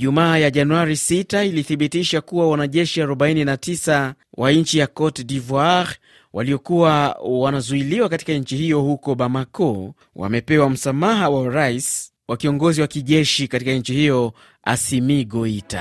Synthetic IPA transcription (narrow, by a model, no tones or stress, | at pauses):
ʄumaːjaʄanuaɾisitailiθiɓitiʃakuwawanaʄɛʃiaɾɔɓaininatisa | wʔaɲt͡ʃijakɔtdivɔaɾ | wʔaliɔkuwawanazuiliwakati̥kaɲ̩t͡ʃihijɔhukɔɓamakɔ | wʔa̰mɛpɛwam̩samaɦawaɾais | wakiɔŋɡɔziwakiʄɛʃikatikaɲ̩t͡ʃihijɔ | a̰simiːɡɔita̰